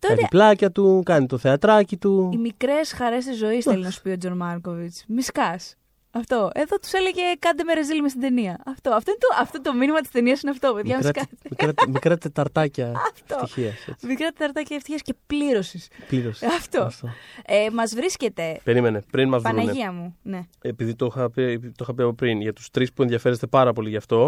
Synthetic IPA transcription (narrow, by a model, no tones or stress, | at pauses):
t̪oɐnplɐcɐt̪ukɐnit̪oθeɐt̪ɾɐcit̪uimikɾe̞sxɐɾe̞s̬t̪izːo̞isθelinɐsu̥piod͡zo̞nmɐɾko̞vit͡smiskɐs | ɐft̪o̞e̞ðot̪u̥seleʝe̞kɐnd̪emeɾezðilimest̪ind̪eniɐɐft̪o̞ɐft̪oint̪oʔɐft̪ot̪ominimɐt̪i̥st̪eniɐsineɐft̪o̞peðʝɐmiskmiɾɐmikɾɐt̪et̪ɐɾt̪ɐcɐɐft̪fot̪içiɐsmikɾɐt̪et̪ɐɾt̪ɐcɐeft̪içiɐsce̞pliɾo̞sispliɾosɐft̪o̞ft̪oemɐzvɾisce̞t̪e̞pe̞ɾime̞nepɾinmɐzvpɐueneiɐmune̞ | epiðit̪oxɐpipt̪oxɐpiɐpopɾinʝɐt̪u̥st̪ɾispueðʝɐfe̞ɾest̪epɐɾɐpo̞liʝɐft̪o̞